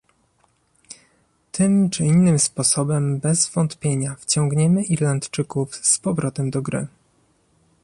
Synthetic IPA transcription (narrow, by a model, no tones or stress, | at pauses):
t̪ʰɘmt͡ʂɘinːɘmspɔsɔbɛmbɛzvɔnt̪pʲjeɲaft͡ɕɔ̃ŋɡɲɛmɘʔiɾlant̪t͡ʂɘkufspɔvɾɔt̪ɛmd̪ɔɡɾɘ̰